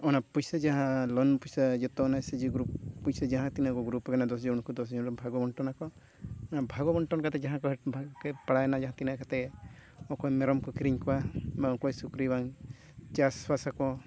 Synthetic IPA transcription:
ɔnapujsad͡ʒaɦãlɔnpujsad͡ʒɔt̪ɔnased͡ʒiɡɾuppujsad͡ʒaɦãt̪inakɔɡɾupɡanad̪ɔsd͡ʒɔnkɔd̪ɔsd͡ʒɔ̃ɔbʱaɡɔbɔɳʈɔnakɔ | ɔnabʱaɡɔbɔɳʈɔnkat̪ɛd͡ʒaɦãkɔɦɛbʱakɛpaɽajnad͡ʒaɦãt̪inakat̪ɛɔkɔjmeɾɔmkɔkɾiɲkɔwamaɔkɔjsukɾibaŋ | t͡ʃasfasakɔ

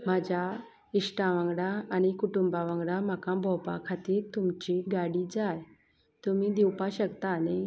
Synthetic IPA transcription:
mad͡ʑʱa | isʈaʋãŋɡɽaːñikuʈumbaʋãŋɡɽam̤akãbʱɔwpa̰kʰat̪iːɾt̪umt͡ɕiɡaɽid͡zaj | t̪um̤id̪iwpaɕəkt̪ane

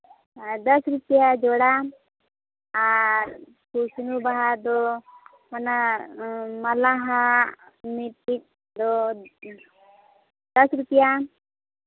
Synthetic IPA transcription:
d̪əsɾupijad͡ʒɔɽa | ɾ | kusinubaɦad̪ɔ | mana | mɐlaɦa | mipi | d̪ɔ | d̪əsɾupija

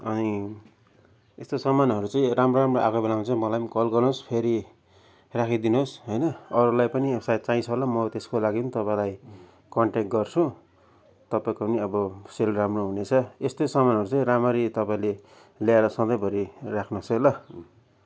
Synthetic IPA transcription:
ʌni | est̪osʌmanɦʌɾut͡saĩramroɾamroʔakobelaw̃nt͡sʰʌ̃mʌlajkʌlɡʌrnospʰeɾi | rakʰid̪inoosɦʌjnʌʌɾulajpʌniepʰsajt̪̚t͡saĩt͡sʰʌɦlamʌt̪eskolaɡipʌnit̪ʌpaĩlaj | kʌɳʈekʈ̚ɡʌrt͡sʰũ | t̪ʌpaĩkoniʌbʌselramroɦunet͡sʰʌest̪osʌmanɦʌɾut͡sãĩramʌɾit̪ʌpaĩle | ljaeɾʌsʌnd̪ʌjbʱʌɾirakʰnoselʌ

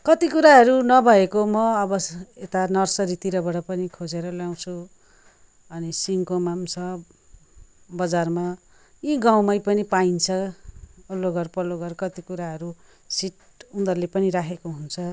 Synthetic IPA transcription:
kʌt̪ikuɾaɦʌɾunʌbʱʌekomʌʌbʌet̪anʌrsʌɾit̪iɾʌbʌɽʌpʌnikʰod͡zeɾʌljaw̃t͡sʰu | ʌnisiŋkomamsʰʌ | bʌd͡zarma | jiɡaw̃mʌjpʌnipaint͡sʰʌ | ulːoɡʌrpʌloɡʌrkʌt̪ikuɾaɦʌɾu | siʈ | und̪ʌrlepʌniɾakʰekoɦunt͡sʰʌ

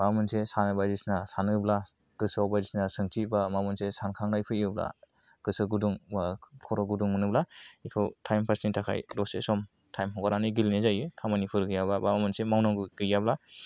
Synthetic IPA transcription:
bamɯnsesanɯbazisnasanɯbla | ɡ̥ɯsawbajzisnasɯŋtʰibamamɯnsesankʰaŋnajpʰɯɯbla̰ | ɡ̥ɯsɯɡuduŋbakʰɔɾɔɡuduŋmɯnɯblaikʰɯwtʰajmpʰasnitʰakʰa̰jɾɔsḛsɔm | tʰajmɦɔɡaɾanɯjɡilnezajɯkʰamanipʰɯɾɡɯjababamamɯnsemawnɔŋɡɯɡɯjabla

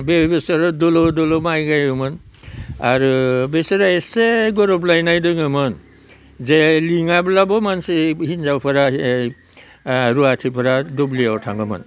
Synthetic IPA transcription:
bebesaɾadɔlɔdɔlɔmajɡajɯmɯn | aɾubesɔɾaeseɡɔɾɔblajnajdɯŋɯmɯn | zeliŋablabɔmansehinzawpʰaɾa | ɾuatʰipʰaɾadɔbliawtʰaŋɡɯmɯ̰n

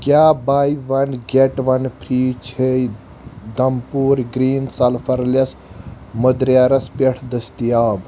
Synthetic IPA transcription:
kʲjaːbaːjʋɐnɡʲeʈʋɐnpʰɾiːt͡ʃʰej | d̪ɐmpuːɾɡɾiːnsɐlfʰɐɾlɐs | məd̪ɾjaːɾɐspeʈʰd̪əst̪ijaːb

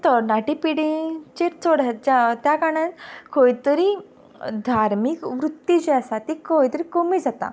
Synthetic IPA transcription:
t̪əɾnaʈipiɽĩt͡ɕeɾt͡soɽat̪̚d͡ʑat̪jakaɽ̃ãt̪koit̪əɾi | d̪ʱaɾmikʋɾut̪ːjit͡ɕeasat̪ikoit̪əɾikomiːd͡zat̪a̰

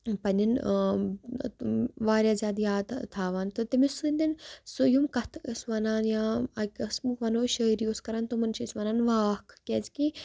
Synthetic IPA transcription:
pɐnʲin | ʋaːɾʲjaːzʲaːd̪jaːd̪t̪ʰaːʋaːnt̪ot̪imisund̪insujumkɐt̪ʰsʋɐnaːnjãːɐkʲɐsmukʋɐnoːʃəːiɾijoskɐɾaːnt̪omɐnʃisʋɐnaːnʋaːhkʰkʲeːzki

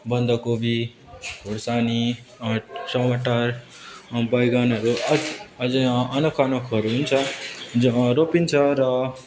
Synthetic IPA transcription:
bʌnd̪ʌkobi | oɽsani | sʌwaʈar | bʌjɡanʌɾuʌʌd͡zʌʌnʌkʰanʌkʰʌɾuɦunt͡sʰʌ | ɾopint͡sʰʌɾʌ

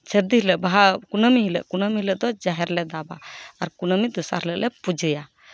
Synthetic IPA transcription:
t͡ʃəɾd̪iɦlɛʔbaɦakunəmiɦilɛ̰ʔkunəmilɛʔd̪ɔd͡ʒaɦɛɾlɛd̪aba̰ːɾkunəmid̪usa̰ɾlɛʔlɛpud͡ʒəja

